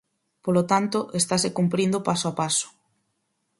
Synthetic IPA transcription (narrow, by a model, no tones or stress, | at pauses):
polot̪ant̪ʊʔest̪asekumpɾind̪opasoapasʊ̥